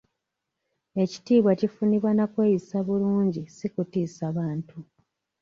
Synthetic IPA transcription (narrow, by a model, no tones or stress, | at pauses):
e̞ci̥tiːβwacifuniβwanakwe̞ːjisaβuluːɲɟisikutiːsaβaːntʰu